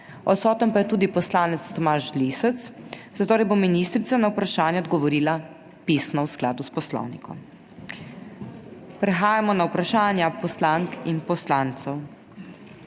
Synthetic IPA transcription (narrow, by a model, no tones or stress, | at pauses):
ɔt̪sɔːt̪əmpajɛt̪uːd̪ipɔslaːnɛt̪st̪ɔmaːʃliːsɛt̪sz̥at̪oːɾɛjbominiːst̪ɾit̪sanaupɾaʃaːnjɛɔd̪ɡɔʋɔɾiːla | piːsnɔwsklaːd̪uspɔslɔ̰wnḭkʰɔ̰m | pɾɛxaːjamɔnawpɾaʃaːnjapɔslaŋkinpɔslaːnt̪sɛw